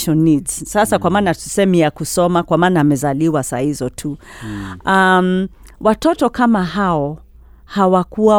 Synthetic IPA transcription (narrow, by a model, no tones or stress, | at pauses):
ʃɔnidsasakwamaːnatu̥sɛmijakusɔmakwamaːnaːmɛzaliwasa̰hizɔtʰu | amwatɔtɔkamaɦaɔ | hawakua